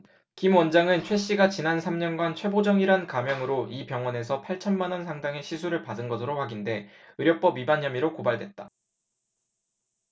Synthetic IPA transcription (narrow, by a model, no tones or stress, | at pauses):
kimwʌnd͡ʑaŋɯnt͡ɕʰwe̞ɕ͈iɡat͡ɕinansʰamɲʌnɡwant͡ɕʰwe̞bod͡ʑʌŋiɾankamjʌŋɯɾoipjʌŋwʌne̞s̬ʰʌpʰaɭt͡ɕʰʌnmanwʌnsʰaŋdaŋe̞ɕʰisʰuɾɯɭpadɯnɡʌsʰɯɾoɸwaɡinde̞ɯɾjʌk̚p͈ʌbibaɲʌmiɾokobaɭdwe̞t̚t͈a